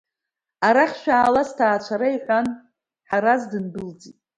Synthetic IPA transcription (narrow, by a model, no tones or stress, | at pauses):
aɾaχʲʃᶣaːlastʰaːt͡ɕʷʰaɾaiqʲʼan | ħaɾazdɨnbɨld͡zitʼ